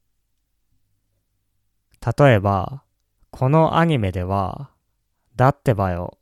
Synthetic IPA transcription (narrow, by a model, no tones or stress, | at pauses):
t̪at̪o̞e̞ba̰ | kʰo̞no̞ʔa̰ɲ̟ime̞d̪e̞βa̰ | d̪at̪ːe̞bajo̰